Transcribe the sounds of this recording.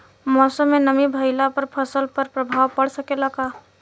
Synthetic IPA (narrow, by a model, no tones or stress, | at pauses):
mɔːsəmːenəmibʱəɪlapəɾpʰəsəlpəɾpɾəbʱaːwpəɽsəkeləɡa